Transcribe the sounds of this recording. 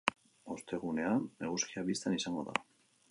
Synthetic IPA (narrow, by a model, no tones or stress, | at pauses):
ost̪e̞ɣ̞une̞anːe̞ɣ̞uskiaβist̪anisaŋɡo̞ða̰